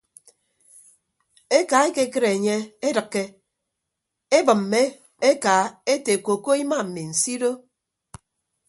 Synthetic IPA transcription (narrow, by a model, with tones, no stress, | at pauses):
e˦ka˨˦e˦ke˦kɨ˦ɾe˨e˨ɲe˦e˦dɨ˨kːe˦ | e˦bɨ˨m̩˨me˦ | e˦ka˨e˦te˨ko˨ko˦i˦ma˦˨m̩˨mi˨n̩˨si˦do˦